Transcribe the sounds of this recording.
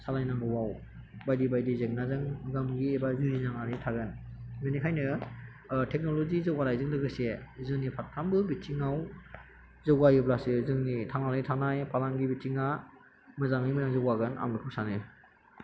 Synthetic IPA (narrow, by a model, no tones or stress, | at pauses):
salajnambɯwawbajdibajdizeŋnazɯŋɡamɡiebazuzizaŋaɾitʰaɡɯnmenikʰajnɯ | tʰek̚nolozizɯwaɾajzɯŋdɯɡɯsezɯŋnipʰatʰːambɯbitʰiŋaw | zɯwajɯblasɯzɯŋnitʰanalijtʰanajpʰalaŋɡibitʰiŋa | mɯzaŋnimɯaŋzɯwaɡɯna̰mnɯkʰɯw̚sanɯ